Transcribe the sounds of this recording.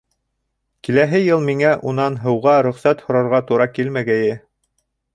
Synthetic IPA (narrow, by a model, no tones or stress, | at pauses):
kilæɦɘjɤlˠmiŋæʔunɑnɦɤ̆wʁɑɾɵ̆χsæt̪hŏɾɑɾʁɑt̪uɾɑkilmæɡæjɘ